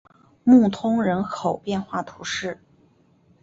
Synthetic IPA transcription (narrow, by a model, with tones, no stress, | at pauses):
mu˥˩t̪ʰʊ˥ŋɻə˧˥nkʰo˨˩ʊpjɛ˥˧nxwa˥˩t̪ʰu˧˥ʂɻ̩˥˩